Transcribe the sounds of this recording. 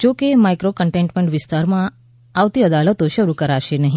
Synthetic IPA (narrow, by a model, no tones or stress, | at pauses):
d͡ʒokemajkɾokəɳʈeɳʈmẽɳʈʋɪst̪aɾmã | aʋt̪iəd̪alət̪oʃəɾukəɾaʃenəɦĩ